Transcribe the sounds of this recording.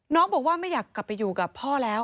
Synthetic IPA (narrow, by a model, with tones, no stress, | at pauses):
nɔː˦˥ŋbɔː˨˩k̚waː˥˩ma˥˩jaː˨˩kla˨˩pːa˧juː˨˩ka˨˩pʰːɔː˥˩lɛː˦˥w